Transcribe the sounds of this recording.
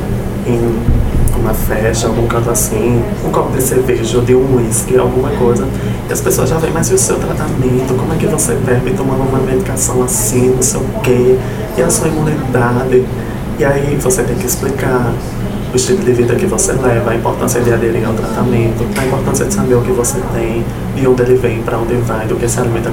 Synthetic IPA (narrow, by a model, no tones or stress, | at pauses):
ẽj̃ | ũmɐfɛʃt̪ɐawɡũkɐ̃t̪ʊasĩ | ʊ̃kɔpʊd̪ɪseveʒod̪ɪũiskɪa̰wɡũmɐkojzɐ | ɪɐspesoɐzʒavẽj̃majzɪʊsewt̪ɾat̪amẽnt̪ʊkõmʊɛkɪvosepeɾmit̪õũmɐnɔvɐ̃med̪ikasɐ̃w̃asĩnʊsewke | ɪasuɐimũnid̪ad̪ɪ | ɪaivoset̪ẽj̃kɪɪsplikaɾ | ʊɪʃt̪ilʊd̪ɪvid̪ɐkɪvoselɛvɐaĩmpoɾt̪ɐ̃siɐd̪ɪad̪eɾĩa̰wt̪ɾat̪amẽnt̪ʊɐĩmpoɾt̪ɐ̃siɐd̪ɪsabeɾʊkɪvoset̪ẽj̃ | d̪ɪõnd̪ɪelɪvẽj̃pɾɐõnd̪ɪvajd̪ʊkesɪalimẽn